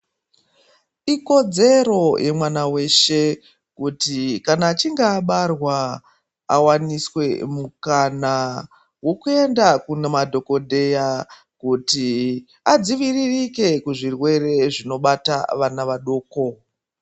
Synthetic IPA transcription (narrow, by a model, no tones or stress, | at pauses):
iko̞d͡ze̞ɾo̞jʔe̞mwanawe̞ʃe̞ | kutikanaːt͡ʃiŋɡaːɓarwa | a̰waniswe̞mukana | wo̞kue̞ndakunemadʱo̞ko̞dʱe̞ja | kuti | ad͡ziʋiririke̞kuʐirwe̞re̞ʐino̞ɓataʋanaʋaɗo̞ːko̞